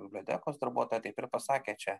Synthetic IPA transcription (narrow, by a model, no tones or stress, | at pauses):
bʲɪbʲlʲoːt̪ʲɛ̰ːkoːsd̪ɐɾbuɔt̪oːjɛt̪ɐɪpɪɾpɐsɑːkʲeːt͡ʃʲɛ